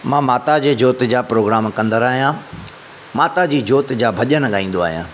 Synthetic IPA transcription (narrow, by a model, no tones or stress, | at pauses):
mãːmaːt̪ad͡ʑeːd͡ʑoːt̪d͡ʑaːpɾoːɡɾaːmkɐ̃nd̪əɾaːɦijã | maːt̪ad͡ʑiːd͡ʑoːt̪d͡ʑaːbʱɐʄənɠaːĩːn̆d̪oa̰ːɦijã̰ː